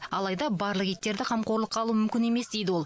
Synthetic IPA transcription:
ɑlˠɑjd̪ɑbɑɾlˠəqijt̪ːe̞ɾd̪ɪqʰɑmqo̞ɾlˠəqʰːɑlˠumʏmkʲɪne̞me̞sd̪e̞jd̪ɪwo̞lˠ

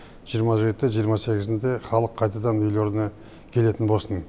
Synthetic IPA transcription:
ʒ̥ijəɾmɑʒe̞t̪ːɪʒijəɾmɑse̞ɡʲɪzɪnd̪e̞χɑlˠəqʰːɑjt̪ɑd̪ɑnʏjloɾnɑ | kʲʰe̞le̞t̪ɪnbosən

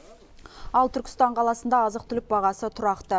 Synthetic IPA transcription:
ɑlˠt̪ʰʏɾkʲɪ̥st̪ɑɴqʰɑlˠɑsənd̪ɑːzəq̚t̪ʰʏlɪk̚bɑʁɑsət̪ʰʊɾɑqt̪ə

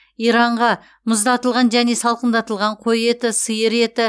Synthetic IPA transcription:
ijɾɑɴʁɑ | mʊzd̪ɑt̪əlˠʁɑnʒæne̞sɑlˠqənd̪ɑt̪əlˠʁɑɴqʰo̞je̞t̪ɪsəjəɾe̞t̪ɪ

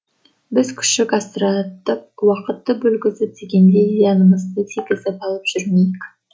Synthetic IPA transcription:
bɪzkʲʰʏ̥ʃɪkɑst̪əɾɑt̪əp̚wɑqət̪ːəbɵlɡʲɪzɪp̚d̪eɡʲe̞nd̪ejɑnəməzd̪ət̪ʰeɡʲɪzɪpɑlˠəpʒ̥ʏɾmejɪkʲ

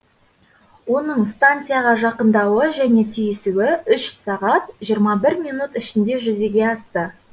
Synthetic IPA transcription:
wo̞nəɴst̪ant̪sɨjaʁɑʒɑqənd̪ɑwəʒæne̞t̪ʰijɪsuwɪʏʃsɑʁɑt̪ʒijəɾmɑbɪɾminut̪ɪʃɪnd̪e̞ʒʏze̞ɡʲe̞ɑst̪ə

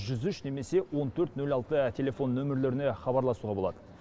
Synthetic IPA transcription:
ʒʏzʏʃne̞me̞se̞wo̞nt̪ʰɵɾt̪nɵlɑlˠt̪ət̪ʲʰe̞lʲe̞fo̞nːɵmɪɾle̞ɾɪne̞χɑbɑɾlˠɑsuʁɑbo̞lˠɑ̰d̪̥ə

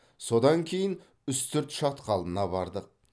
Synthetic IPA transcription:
so̞d̪ɑŋkʲʰejɪn | ʏst̪ʰʏɾt̪ʃɑt̪qʰɑlˠənɑbɑɾd̪əq̚

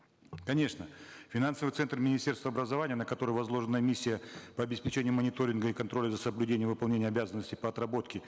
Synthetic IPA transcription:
kɐnʲe̞ʂnəfʲɪnansəvɨt̪sɛnt̪rmʲɪnʲɪsʲtʲerst̪vəɐbɾəzɐvanʲɪjənəkɐt̪o̞ɾɨjvɐzlˠo̞ʐɨnəmʲisʲːɪjəpəɐbʲɪspʲɪt͡ɕenʲɪjʊmənʲɪt̪o̞ɾʲɪnɡəikɐnt̪ɾo̞lʲəzəsəblʲʉdʲenʲɪjəvɨpɐlˠnʲenʲɪjəɐbʲazənːəsʲtʲɪpəɐt̪rɐbo̞t̪kʲɪ

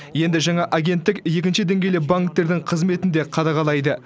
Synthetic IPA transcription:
je̞nd̪ɪʒɑɴɑʔaɡʲe̞nt̪ːɪkje̞kʲɪnʃɪd̪e̞ŋɡʲe̞jlebaŋk̚t̪ːe̞ɾd̪ɪŋqʰəzme̞t̪ɪnd̪e̞qʰɑd̪ɑʁɑlˠɑjd̪ə

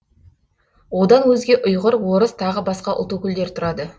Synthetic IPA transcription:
wo̞d̪ɑnwɵzɡʲe̞ʔʊjʁəɾwo̞ɾəst̪ʰɑʁəbɑsqɑʔʊ̰lˠt̪okʲʏld̪e̞ɾt̪ʰʊɾɑd̪ə

